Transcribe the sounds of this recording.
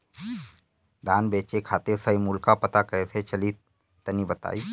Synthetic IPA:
d̪ʱaːnbeːt͡ʃekʰaːt̪esaimulkapət̪akɐeset͡ʃəlit̪ː | ənibət̪a̰ːiː

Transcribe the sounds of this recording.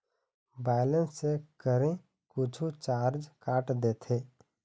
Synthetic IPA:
bɛːlə̃nsːekəɾẽ | kʊt͡ʃʰut͡ʃaːɾd͡ʒkaːʈd̪eːt̪ʰeː

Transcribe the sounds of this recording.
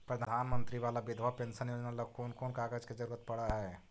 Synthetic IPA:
pɾɐd̪ʱaːnmə̃nt̪ɾiʋaːlabɪd̪ʱʋapẽnsənjoːd͡ʒnalɐkoːnkoːnkaːɡəd͡ʒked͡ʒɐɾuːɾət̪̚pɐɽaɦɛː

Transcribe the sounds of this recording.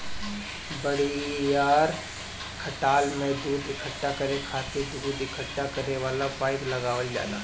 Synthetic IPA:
bəɽijaːɾ | kʰəʈaːlmẽd̪uːd̪ɪkʰəʈːakəɾẽkʰaːt̪ed̪uːd̪ɪkʰəʈːakɐɾneʋaːlapaːɪʈlɐɡaːʋəld͡ʒa̰ːla̰ː

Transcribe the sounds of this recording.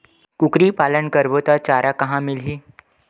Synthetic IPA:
kukɾiːpaːlənkəɾbot̪at͡ʃaːɾakəɦãmɪlɦiː

